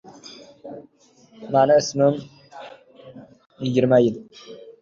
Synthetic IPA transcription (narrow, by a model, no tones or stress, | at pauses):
manɪɪsmɪm | jɪɡʲɪɾmajɪl